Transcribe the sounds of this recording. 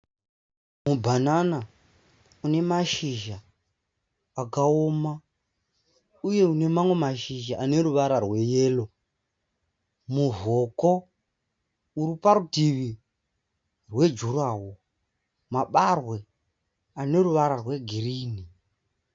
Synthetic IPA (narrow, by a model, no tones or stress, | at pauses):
mubʱanana | une̞maʃiʒa | kaoma | uje̞une̞mamwe̞maʃiʒaʔːne̞ɾuʋaɾarwe̞je̞ːlo̞ | muvo̞ko̞ | uɾipaɾutiʋi | rwe̞d͡ʒuraːwo | maɓarwe̞ | ane̞ruʋaɾarwe̞ɡʱiriːni